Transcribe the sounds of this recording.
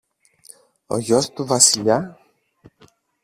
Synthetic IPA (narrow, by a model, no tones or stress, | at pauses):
o̞̰ʝo̞st̪uvɐsiʎɐ